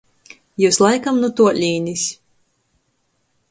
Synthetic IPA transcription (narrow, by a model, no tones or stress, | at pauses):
juːslˠajkamnut̪uɔlʲiːnisʲ